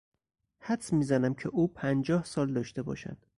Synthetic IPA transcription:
hæt̪smiːzænæmcʰeʔuːpʰænd͡ʒɒːhsɒːld̪ɒːʃt̪e̞bɒ̰ːʃæ̰nd̪̥

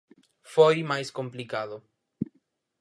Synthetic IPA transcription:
fojmajskomplikaðo

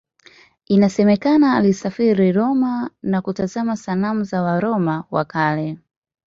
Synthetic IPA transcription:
inasɛmɛkanaːlisafiɾiɾɔmanakutazamasalamuzawaɾɔmawa̰kalɛ

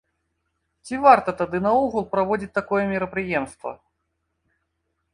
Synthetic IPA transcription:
t͡sʲivart̪ɐt̪ad̪ɨnɐuɣulˠpɾɐvɔdʲit͡s̚ʲt̪akɔjɛmʲɪɾɐpɾɨjɛmst̪vɐ̰

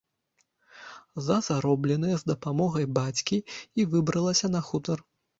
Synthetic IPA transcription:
zɐzaɾɔblʲɛn̪ɨjɐzd̪ɐpamɔɣɐjbat͡sʲkʲiivɨbɾɐlˠɐsʲɐn̪ɐxut̪ɐr

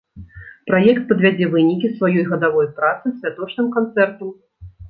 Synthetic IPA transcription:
pɾajɛkt̪̚pɐd̪vʲad͡zʲɛvɨnʲikʲisvajɔjɣɐd̪avɔjpɾat̪sɨsʲvʲat̪ɔt͡ʂnɨmkant̪sɛrt̪ɐm

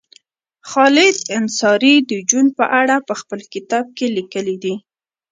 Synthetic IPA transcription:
xɑlɪd̪ɪnsɑɾid̪əd͡ʒunpəʔaɽapəxpəlkɪt̪ɑb̚kelikəlid̪i

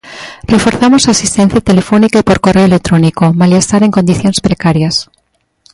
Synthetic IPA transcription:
refoɾθamosasist̪ẽn̟θjat̪elefonikapoɾkoreoelek̚t̪ɾonikomaljest̪aɾeŋkond̪iθjonspɾekaɾjas

